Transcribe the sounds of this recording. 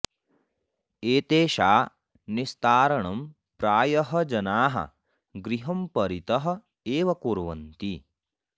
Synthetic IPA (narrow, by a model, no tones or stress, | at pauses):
eːt̪eːʃaː | nist̪aːɾɐɳɐm | pɾaːjɐɦɐ̆d͡ʒɐnaːɦɐ̰ | ɡɾiɦɐmpɐɾit̪ɐɦɐ̆ | eːʋɐkuːɾʋɐ̰nt̪i